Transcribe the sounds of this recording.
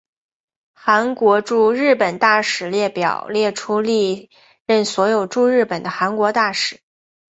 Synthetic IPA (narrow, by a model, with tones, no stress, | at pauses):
xa˧˥nkwɔ˧˥ʈ͡ʂu˥˧ɻɻ̩˥˩pə˨˩nt̪a˥˩ʂɻ̩˨˩ljɛ˥˩pjɑ˨˩ʊljɛ˥˩ʈ͡ʂʰu˥li˥˧ | ɻə˥˩nswɔ˧˥jo˨˩ʊʈ͡ʂu˥˧ɻɻ̩˥˩pə˨˩nd̪ə˦xa˧˥nkwɔ˧˥t̪a˥˩ʂɻ̩˨˩˦